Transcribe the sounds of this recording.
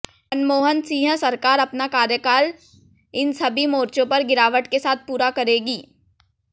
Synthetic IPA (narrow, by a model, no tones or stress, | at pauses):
ɐnmoːɦənsĩːɦə̃sɐɾkaːɾɐpnakaːɾjəkaːl | ɪnsɐbʱimoːɾt͡ʃõpɐɾɡɪɾaːʋəʈkesaːt̪̚ʰpuːɾakɐɾeːɡiː